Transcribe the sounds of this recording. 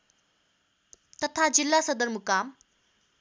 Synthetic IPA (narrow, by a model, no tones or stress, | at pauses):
t̪ət̪ʰad͡ʑilːasəd̪əɾmukam